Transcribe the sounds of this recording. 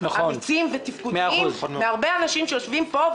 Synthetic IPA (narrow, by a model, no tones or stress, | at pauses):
naχaomit͡simvet̪ifkumeazmeaʁbeanaʃimʃejoʃvimpo̞